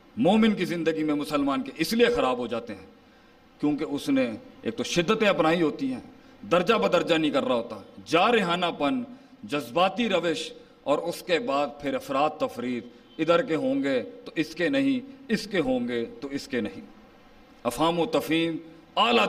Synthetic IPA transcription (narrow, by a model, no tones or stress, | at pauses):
moːmɪnkizɪ̃nd̪əɡimẽmʊsəlmaːnkeʔɪsliexɐɾaːbɦod͡ʒaːt̪eɦɛ̃ː | kjõːkeʊsnẽḛːk̚t̪oʃɪd̪ːət̪ẽɐpnaːiɦoːt̪iɦɛː | d̪ɐɾd͡ʒapɐɾd̪ɐɾd͡ʒanɐɦĩkɐɾːaɦoːt̪ad͡ʒaːɾeɦaːnapən | d͡ʒɐzbaːt̪iɾɐʋeʃ | ɔːɾʊskebaːd̪̚pʰɪɾɐfɾaːt̪ːɐfɾiːt̪ | ɪd̪əɾkeɦõːŋɡet̪oʔɪskenɐɦĩɪskeɦõːŋɡet̪oɪskenɐɦḭ̃ | ɐfaːmõt̪ɐfiːm | aːlaː